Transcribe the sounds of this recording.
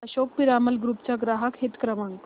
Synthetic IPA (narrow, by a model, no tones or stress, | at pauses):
əɕok̚piɾaməlɡɾuːpt͡ɕjaɡɾaɦakɦet̪kɾəmaŋɡ